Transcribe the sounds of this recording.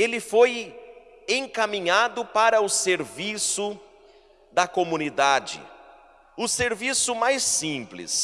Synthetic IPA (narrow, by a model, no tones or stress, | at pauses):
elɪfoj | ẽŋkamĩɲad̪ʊpaɾɐʊseɾvisʊ | d̪ɐkomũnid̪ad͡ʒɪ̰ | ʊseɾvisʊmajsĩplɪ̰s